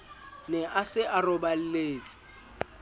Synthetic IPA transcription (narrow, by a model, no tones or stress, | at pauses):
nɛʔasɪʔarɔbal̩leːt͡sʼɪ̥